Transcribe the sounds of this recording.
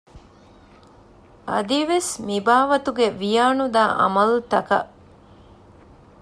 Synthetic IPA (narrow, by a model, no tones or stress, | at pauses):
ɐ̰d̪iʋesmibaːʋɐt̪uɡeʋijaːnud̪aːʔɐ̰mɐlt̪ɐkɐ̰ʔ